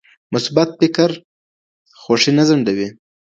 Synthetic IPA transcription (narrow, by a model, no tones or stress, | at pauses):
mʊsbat̪̚fɪkaɾ | xoʂinazaɳɖawi